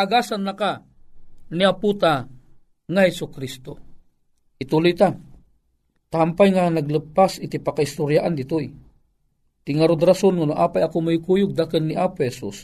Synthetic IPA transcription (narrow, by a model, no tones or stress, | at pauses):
aɡaːsanːaka | niaput̪a | ŋahɛsʊkɾist̪o | ʔɪt̪ulʊjt̪a | t̪ahampajŋanaɡləpːasʔɪt̪ipakaist̪ʊɾjaʔand̪ɪt̪oj | t̪ɪŋaɾod̪ɾasonŋʊnʊʔaːpajɐakomajkujʊɡ̚d̪akəlniʔaːpʊhɛsus